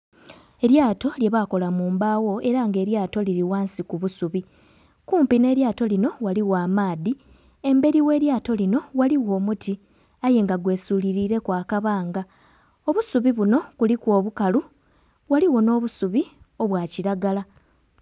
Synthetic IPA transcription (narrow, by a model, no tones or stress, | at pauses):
e̞ɾjaːto̞lje̞βako̞lamuːmbaːwo̞e̞ɾaŋɡe̞ːɾjaːto̞liɾiwaːnsikuβusuβi | kuːmpine̞ːɾjaːto̞lino̞waliwaːmaːði | e̞mbe̞ɾiwe̞ːɾjaːto̞lino̞waliwo̞ːmuti | aje̞ŋɡaɡwe̞ːsuːliɾiːɾe̞kwaːkaβaːŋɡa | o̞βusuβiβuno̞kulikwo̞ːβukalu | waliwo̞no̞ːβusuβi | o̞βwaːciɾaɡala